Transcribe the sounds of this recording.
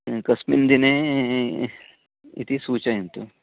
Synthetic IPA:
kɐsmind̪ine | ḭt̪ʰisuːt͡ɕaĩnt̪u

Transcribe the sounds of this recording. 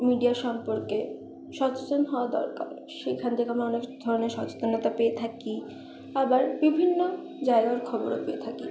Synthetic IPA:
miɖiaɾʃɔmpoɾke | ʃɔt͡ɕot͡ɕ̪onɦɔoad̪ɔ̰ɾka̰ɾ | ʃekʰant̪ʰekeamaɔnekd̪ʱɔɾoneɾʃɔt͡ɕe̥t̪onot̪apeet̪ʰaki | abaɾbibʱinːo | d͡ʑaeɡaoɾkʰɔboɾopeet̪ʰaki

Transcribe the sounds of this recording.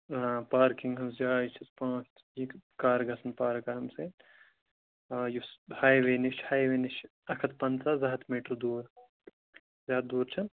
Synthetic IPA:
paːɾkiŋɡɦɐmsd͡ʒaːit͡ʃʰɐspãːt͡ʃ | ikkaːɾɡɐsɐnpaːɾkɐɾɐmse | jushaːjʋeːniʃhaːjʋeːniʃ | ɐkʰɐt̪pɐnsaːzɐɦɐt̪ʰmiːʈɾud̪uːɾ | zʲaːd̪̚d̪uːɾt͡ʃʰɐn

